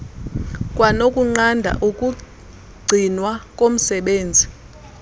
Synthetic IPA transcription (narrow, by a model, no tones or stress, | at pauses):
kʼwanokʼuŋ͡ǀandʱa̰ʔukʼu | ɡ͡ǀʱinwakʼom̩sɛɓeːnd͡zʱi